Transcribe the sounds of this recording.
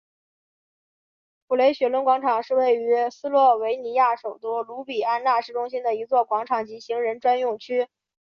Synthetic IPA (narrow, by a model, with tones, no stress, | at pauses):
pʰu˨˩le˧˥ɪɕɥɛ˧˥lwə˧˥nkwɑ˧˥ŋʈ͡ʂʰɑ˨˩ŋʂɻ̩˥˧we˥˩ɪy˧˥sɹ̩˥lwɔ˥˩we˧˥ɪni˧˥ja˥˩ʂo˨˩ʊt̪u˥lu˧˥pi˨˩a˥nna˥˧ʂɻ̩˥˩ʈ͡ʂʊ˥ŋɕ̬i˥nd̪ə˨i˧˥t͡swɔ˥˩kwɑ˧˥ŋʈ͡ʂʰɑ˨˩ŋt͡ɕi˧˥ɕi˧˥ŋɻə˧˥nʈ͡ʂwa˥njʊ˥˩ŋt͡ɕʰy˥